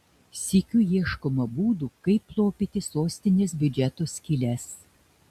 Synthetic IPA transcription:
sʲɪkʲuːjiɛʃkoːmɐbuːd̪uːkɐɪpːlˠoːpʲiːt̪ʲɪsoːsʲt̪ʲɪnʲeːs̬bʲʊd͡ʒʲɛt̪oːsʲkʲiːlʲɛs

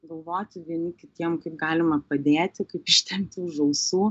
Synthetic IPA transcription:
ɡɐlˠʋoːt̪ʲɪʋʲiɛnʲɪkʲɪt̪ʲiɛmkɐɪp̚ɡɑːlʲɪmɐpɐd̪ʲeːt̪ʲɪkɐɪpɪʃʲt̪ʲɛmt̪ʲuːʒɐʊsuː

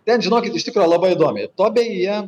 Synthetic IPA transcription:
t̪ʲɛnʒʲɪnoːkʲɪt̪ɪʃt̪ʲɪkɾojlˠɐbɐɪɪd̪oɔmʲɛɪt̪oːbʲɛjiɛ

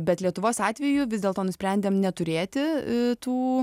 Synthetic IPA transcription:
bʲɛt̪lʲiɛt̪ʊʋoːsɑːt̪ʲʋʲɛjʊʋʲɪzd̪ʲeːlˠt̪oːnʊsʲpʲɾʲɛnʲd̪ʲeːmnʲɛt̪ʊɾʲeːt̪ʲɪt̪uː

